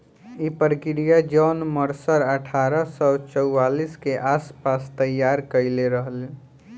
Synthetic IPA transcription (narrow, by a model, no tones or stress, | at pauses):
ipɾkɾijad͡ʒɔːnməɾsəɾəʈʰaɾəsɔt͡ʃəʊaliskeʔaspast̪əjaɾkəɪleɾəɦəle